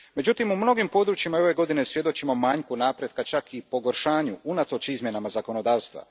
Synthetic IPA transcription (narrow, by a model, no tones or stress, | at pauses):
me̞d͡ʒut̪imumno̞ɡimpo̞d̪ɾut͡ʃjimao̞ʋe̞ɡo̞d̪inesʋje̞d̪o̞t͡ɕimo̞maːɲkunaːpɾje̞d̪kat͡ʃakʰipo̞ɡoɾʃaːɲuunat̪o̞t͡ʃizmje̞namazako̞no̞d̪aːʋst̪ʋa̰